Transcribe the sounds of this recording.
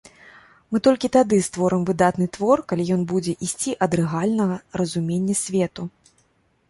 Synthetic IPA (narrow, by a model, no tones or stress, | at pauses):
mɨt̪ɔlʲkʲit̪ad̪ɨst̪vɔɾɨmvɨd̪at̪nɨt̪vɔrkalʲijɔn̪bud͡zʲɛʔisʲt͡sʲiʔɐd̪ɾɛɣalʲnɐɣɐrɐzumʲenʲːɐsʲvʲɛt̪u